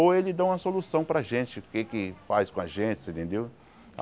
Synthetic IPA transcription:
oelɪd̪ɐ̃ũmɐsolusɐ̃w̃pɾɐʒẽt͡ʃɪʊkekɪfajskõɐʒẽnt͡ʃɪ̥sẽnt̪ẽnd̪ew

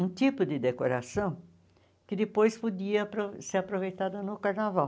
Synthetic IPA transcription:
ũt̪ipʊd̪ɪd̪ekoɾasɐ̃w̃ | kɪd̪ɪpojspod̪iɐpɾoseɾapɾovejt̪ad̪ɐnʊkaɾnavaw

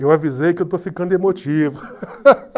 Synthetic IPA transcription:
ewavizejkɪewt̪ofikɐ̃nd̪emot͡ʃivɐ

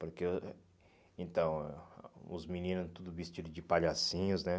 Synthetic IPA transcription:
poɾke | ẽnt̪ɐ̃w̃ | ʊ̰zminĩnʊ̃t̪ud̪ʊvist͡ʃid̪ʊd͡ʒɪpaʎasĩɲʊznɛ

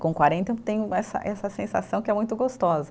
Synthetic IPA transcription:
kõkwaɾẽnt̪ẽt̪ẽjʊɛsɐ̰ʔɛsɐsẽsa̰sɐ̃w̃kɪɛmũj̃t̪ʊɡost̪ɔzɐ

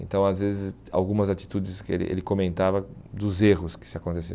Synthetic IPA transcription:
ẽnt̪ɐ̃w̃azvezɪs | a̰wɡũmɐzat̪i̥t̪ud͡ʒɪskḛlɪ̰ʔḛlɪkomẽnt̪avɐd̪ʊzeʁʊskɪ̥sɪakõnt̪es̬ḛ̃

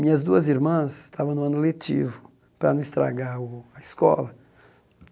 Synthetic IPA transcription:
mĩɲɐzd̪uɐziɾmɐ̃sst̪avɐ̃nʊ̃ɐ̃nʊlet͡ʃḭvʊ | pɾɐnɐ̃ist̪ɾa̰ɡaɾʊɐiskɔlɐ

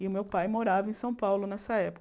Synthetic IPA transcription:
ɪʊmewpajmoɾavɐẽsɐ̃w̃pawlʊnɛsɐɛpʊ

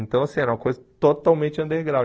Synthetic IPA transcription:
nt̪ɐ̃w̃ɐsẽɛɾɐ̃mɐkojzət̪ot̪awmẽnt͡ʃ̪ɛ̃nd̪eɡɾav

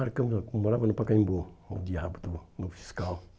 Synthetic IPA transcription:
aɾkəmnamaɾabanupakaɲiboodijabutunufi̥ska

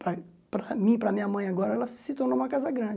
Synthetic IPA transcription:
pɾɐ | pɾɐmĩpɾɐmĩɲɐmɐ̃j̃aɡɔɾɐɛlɐsit̪oɾnoũmɐkazɐɡɾɐ̃d͡ʒ

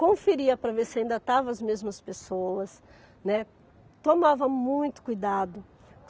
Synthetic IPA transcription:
kõfiɾiɐpɾɐveɾsɪaĩnd̪ɐt̪avɐɐzmezmɐspesowɐs | nɛ | t̪omavɐmũj̃t̪ʊ̥kujd̪ad̪ʊ

